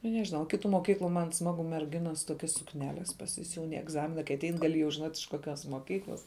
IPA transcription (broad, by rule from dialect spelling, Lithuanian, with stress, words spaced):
nʊ nʲɛʒʲɪˈnɐʊ ˈkʲɪtʊ moːˈkʲiːklˠʊ mɐn ˈsmɑːɡʊ mʲɛrʲˈɡʲɪnɐs ˈtoːkʲɛs sʊkˈnʲæːlʲɛs pɐsʲɪˈsʲuːn ɪ ɛɡˈzɑːmʲɪnɐ kɐɪ ɐˈtʲɛɪn ɡɐˈlʲɪ jɛʊ ʒʲɪˈnoːtʲ ɪʃ koːˈkʲoːs moːˈkʲiːklˠɐs